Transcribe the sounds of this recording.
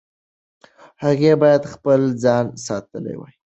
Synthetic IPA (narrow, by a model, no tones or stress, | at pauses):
haɣebɑjad̪xpəld͡zɑnsɑt̪əlḛwə̰j